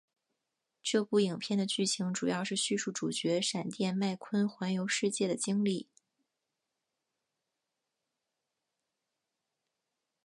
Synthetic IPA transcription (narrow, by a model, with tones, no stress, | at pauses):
ʈ͡ʂɤ˥˧pu˥˩i˨˩ŋpʰjɛ˥˩nd̪ə˩t͡ɕy˥˩ɕʰi˧˥ŋʈ͡ʂu˨˩jɑ˥˧ʊʂɻ̩˥˧ɕy˥˧ʂu˥˩ʈ͡ʂu˨˩t͡ɕɥɛ˧˥ʂa˨˩nt̪jɛ˥˧nma˥˩ɪkʰwə˥nxwa˧˥njo˧˥ʊʂɻ̩˥˧t͡ɕjɛ˥˩d̪ə˩t͡ɕi˥ŋli˥˩